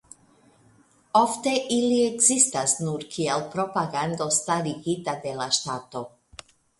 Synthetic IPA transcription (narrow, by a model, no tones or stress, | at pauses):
ofteʔiliekzistasnuɾkʰielpɾo̞paɡand̪o̞st̪aɾiɡit̪ad̪e̞laʃtaːt̪o